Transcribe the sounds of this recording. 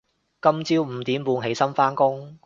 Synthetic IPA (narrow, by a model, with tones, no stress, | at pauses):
kɐ˥mt͡siː˥wm̩ː˨˩t̪iː˨˥mpuː˧nɦe˨˥jsɐ˥nfaː˥nkʊ˥ŋ